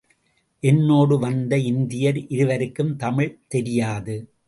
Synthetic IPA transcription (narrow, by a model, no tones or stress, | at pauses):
ʔɛnːoːɽɯʋɐnd̪ɐɪnd̪ɪjɐɾʔɪɾɯʋɐɾɯkːɯmt̪ɐmɪɭt̪ɛɾɪjaːðɯ